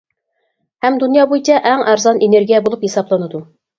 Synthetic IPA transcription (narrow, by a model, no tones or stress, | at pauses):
hɛmd̪unjɑbojt͡ʃʰɛʔæŋʔæɾzɑneneɾɡʲijɛbolˠupjesɑblˠɑnɨd̪u